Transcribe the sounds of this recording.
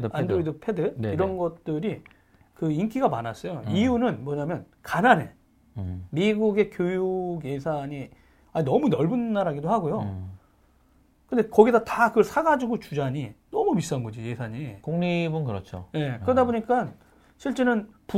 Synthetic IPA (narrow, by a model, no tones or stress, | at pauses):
andoidɯpʰe̞dɯiɾʌnɡʌt̚t͈ɯɾi | kɯink͈ʰiɡamanas͈ʌjoiunɯnmwʌɲamjʌn | kanane | miɡuɡe̞kjojuɡje̞sʰaɲi | anʌmunʌɭbɯnːaɾaɡidohaɡojo | kɯnde̞kʌɡidatakɯɭsʰaɡad͡ʑiɡot͡ɕud͡ʑaɲinʌmumis͈anɡʌd͡ʑije̞sʰaɲikoŋɲibɯnkɯɾʌt͡ɕʰo̰je̞kɯɾʌdaboɲik͈an | ɕʰiɭt͡ɕ͈enɯnpu